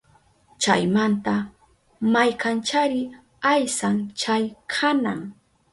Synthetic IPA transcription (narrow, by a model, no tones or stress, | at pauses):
t͡ʃajmant̪a | majkant͡ʃaɾɪ | ajsaŋt͡ʃajkʰanaŋ